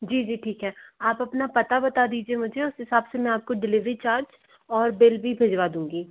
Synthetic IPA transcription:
d͡ʒiːd͡ʒiːʈʰiːkɦɛːaːpɐpnapɐt̪abɐt̪ad̪iːd͡ʒiemʊd͡ʒʱeʊsɦɪsaːbsemɛ̃aːp̚koɖɪlɪʋɾit͡ʃaːɾt͡ʃ | ɔːɾbɪlbʱibʱeːd͡ʒʋad̪ũːŋɡiː

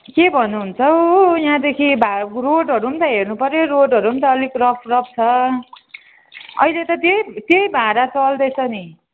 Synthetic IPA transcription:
kebʱʌnːuɦunt͡sʰʌwjãd̪ekʰibʱaroɖɦʌɾuɦumt̪ʌɦernupʌɾneroɖʌɾuumt̪ʌːlikrʌpʰrʌp̚t͡sʰʌ | ʌ̰ilet̪ʌt̪ejt̪jejbʱaɾat͡sʌld̪ʌjt͡sʰʌni

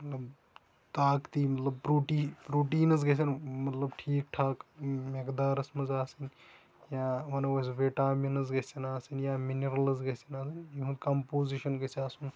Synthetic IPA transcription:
mɐt̪lɐb | t̪aːkt̪iːmɐt̪lɐb̚pɾuːʈiːpɾuːʈiːnɐzɡɐs̬ʲɐnmɐt̪lɐbʈʰiːk̚ʈʰaːkmekd̪aːɾɐsmɐzaːsin | jaːʋɐnɐɐs̬ʋeʈaːminɐzɡɐsɐnaːsinjaːminiɾɐlɐzɡɐsɐnaːsɐnjiɦũkɐmpoːziʃɐnɡɐsaːsun

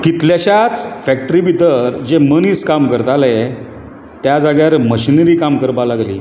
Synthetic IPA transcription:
kit̪ljaɕat͡sfæk̚ʈəɾibid̪əɾd͡ʑeməniskamkəɾt̪ale | t̪jad͡zaɡjaɾməɕinɾiːkamkəɾbalaɡlḭː

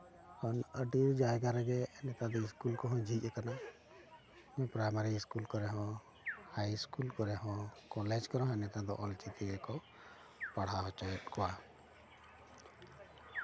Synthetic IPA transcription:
kanəɖiɾd͡ʒajɡaɾɛɡɛnɛt̪ad̪ɔiskulkɔɦɔ̃d͡ʒʱiɛkana | mɛ̃pɾajmaɾiːskulkɔɾɛɦɔ̃ | hajskulkɔɾɛɦɔ̃kɔlɛd͡ʒkɔɾɔ̃ɦɛnɛt̪ad̪ɔ̰ʔɔlt͡ʃit̪iɡɛkɔ | paɽ̤aɦɔt͡ʃɔɛt̪̚kɔwa

